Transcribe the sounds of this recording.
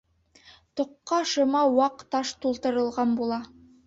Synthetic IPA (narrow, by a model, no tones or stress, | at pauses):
t̪ŏqːɑʃɤ̆mɑwɑqt̪ɑʃt̪ulˠt̪ɤ̆ɾɤ̆lˠʁɑnbulˠɑ